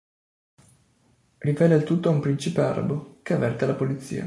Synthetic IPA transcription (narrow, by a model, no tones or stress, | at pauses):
rivɛːlealt̪ut̪ːoumpɾint͡ʃipea̰ɾa̰bokeavːɛrt̪elapolit̪sːḭːa̰